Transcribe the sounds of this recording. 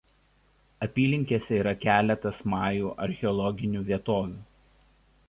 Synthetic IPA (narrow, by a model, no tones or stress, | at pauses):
ɐpʲiːlʲɪŋʲkʲeːsʲɛiːɾɐkʲæːlʲɛt̪ɐsmɑːjuːʔɐɾʲxʲɛɔlˠɔɡʲɪnʲuːʋʲiɛt̪oːʋʲuː